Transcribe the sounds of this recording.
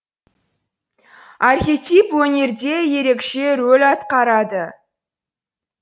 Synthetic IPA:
arxʲe̞t̪ijpwɵne̞ɾd̪e̞je̞ɾe̞kʃe̞ɾɵlɑt̪qɑɾɑd̪ə

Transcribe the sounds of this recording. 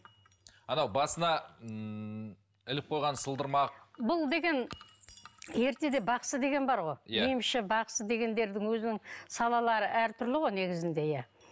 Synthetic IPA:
ɑnɑwbɑsənɑ | ɪlɪp̚qʰo̞jʁɑnsəlˠd̪əɾmɑqbʊlˠd̪e̞ɡʲe̞n | e̞ɾt̪e̞d̪e̞bɑqsəd̪e̞ɡʲe̞nbɑɾʁo̞jjejɪmʃɪbɑqsəd̪e̞ɡʲe̞nd̪e̞ɾd̪ɪŋwɵzɪnɪŋsɑlˠɑlˠɑɾəʔæɾt̪ʰʏɾlɪʁo̞jne̞ɡʲɪzɪnd̪e̞jæ

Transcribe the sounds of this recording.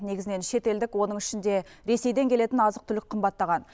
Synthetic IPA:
ne̞ɡʲɪzɪne̞nʃe̞t̪e̞ld̪ɪkwo̞nəɴɪʃɪnd̪e̞ɾe̞se̞jd̪e̞ŋkʲe̞le̞t̪ɪnɑzəq̚t̪ʰʏlɪk̚ʲqʰəmbɑt̪ːɑʁɑn

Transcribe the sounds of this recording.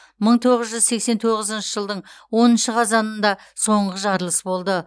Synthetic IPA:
məɴt̪ʰo̞ʁəzʒʏzse̞kse̞nt̪ʰo̞ʁəzənʃəʒəlˠd̪əɴwo̞nənʃəqʰɑzɑnənd̪ɑ | so̞ɴʁəʒɑɾlˠəsbo̞lˠd̪ə

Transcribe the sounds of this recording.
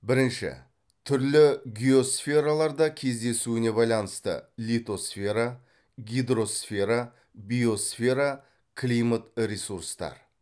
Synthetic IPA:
bɪɾɪnʃɪ̰ | t̪ʰʏɾlɪɡʲio̞sfʲe̞ɾalˠɑɾd̪ɑkʲʰe̞zd̪e̞suɪne̞bɑjlˠɑnəst̪ə̰lʲit̪o̞sfʲe̞ɾa | ɡʲijd̪ɾo̞sfʲe̞ɾa | bʲijo̞sfʲe̞ɾa | kʰlʲijmat̪ɾʲesuɾst̪ɑ̰ɾ

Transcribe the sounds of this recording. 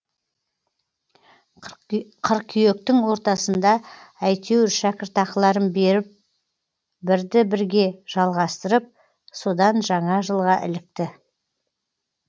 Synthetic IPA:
qʰəɾq̚kʲʰʏje̞k̚t̪ɪŋwo̞ɾt̪ɑsənd̪ɑæjt̪ʰewɾʃækʲɪɾt̪ɑqlˠɑɾənbeɾɪp̚ | bɪɾd̪ɪbɪɾɡʲe̞ʒ̥ɑlˠʁɑst̪əɾəp̚ | so̞d̪ɑnʒɑɴɑʒəlˠʁɑʔɪ̰lɪk̚t̪ɪ

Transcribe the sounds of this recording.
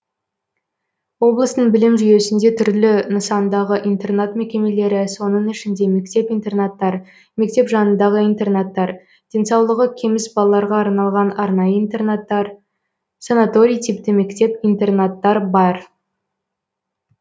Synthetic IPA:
wo̞blˠəst̪əɴbɪlɪmʒʏje̞sɪnd̪e̞t̪ʰʏɾlɪnəsɑnd̪ɑʁəʔijnt̪e̞rnat̪me̞kʲe̞me̞le̞ɾɪso̞nəɴɪʃɪnd̪e̞me̞kt̪e̞pijnt̪e̞rnat̪ːɑɾ | me̞k̚t̪e̞pʒɑnənd̪ɑʁəijnt̪e̞rnat̪ːɑɾ | d̪̥e̞nsɑwlˠəʁəkʲʰe̞mɪsbɑlˠɑlˠɑɾʁɑːɾnɑlˠʁɑnɑɾnɑjəint̪e̞rnat̪ːɑɾ | sanat̪o̞ɾʲijt̪ʰipt̪ɪme̞kt̪e̞pijnt̪e̞rnat̪ːɑɾbɑɾ

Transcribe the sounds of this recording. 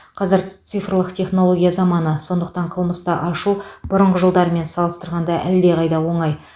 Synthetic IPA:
qʰɑzəɾt̪sɨjfrlˠəqt̪ʰe̞χnolˠo̞ɡʲijazɑmɑnəso̞nd̪əq̚t̪ɑɴqʰəlˠməst̪ɑʔɑʃub̥ʊɾəɴʁəʒəlˠd̪ɑɾəme̞nsɑlˠəst̪əɾʁɑnd̪ɑʔæld̪e̞ʁɑjd̪ɑwo̞ɴɑj

